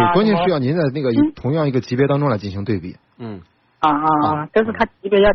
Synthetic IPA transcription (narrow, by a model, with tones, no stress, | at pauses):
e˥˩kwɔ˥ni˧˥ɕy˥jɑ˥˩ʊni˧˥nt͡sa˥˧ɪna˥˩ɡə˩i˧˥t̪ʰʊ˧˥ŋjɑ˥˩ŋi˧˥ɡə˧˩t͡ɕʰi˧˥pjɛ˧˥t̪ɑ˥ŋʈ͡ʂʊ˥ŋla˧˥ɪt͡ɕi˥˩nɕi˧˥ŋt̪we˥˧ɪpḭ˥˩˥ | a˥˧˥ʈ͡ʂʂ̬̩˥˩t̪ʰa˥t͡ɕi˧˥pjɛ˧˥jɑ˥˧˩